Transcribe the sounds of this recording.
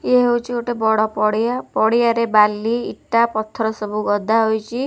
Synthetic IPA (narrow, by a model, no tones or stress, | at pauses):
eɦewt͡ʃʰioʈebɔɽɔpɔɽiapɔɽijaɾebalːiːʈːapɔt̪ʰːɾɔsɔbuɡɔd̪ʱaɦojt͡ʃʰi